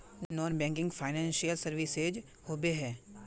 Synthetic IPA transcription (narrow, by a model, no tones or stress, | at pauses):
nɔːnbɛ̃ːŋkɪ̃ŋɡfʰaːɪnɛ̃ːnsijəlsəɾʋɪsed͡ʒ | hoːbeɦɛː